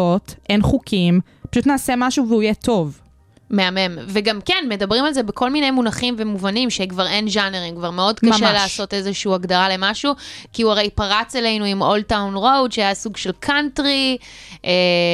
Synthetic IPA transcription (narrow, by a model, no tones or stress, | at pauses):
otʔenχukʰim | pḁʃutnaːsemaʃuveuijeto̞v | meame̞mveɡamkenme̞dabʁimalze̞beko̞lmine̞jmunaχimve̞muvanimʃekvaʁe̞nʒaneʁimkvaʁmeo̞dkaʃʃeleːso̞te̞zeʃuuaɡdaʁale̞maʃukiuaʁejpaʁat͡selejnuimoltawnʁowtʃeajasuɡʃe̞lkʰantʁiʔe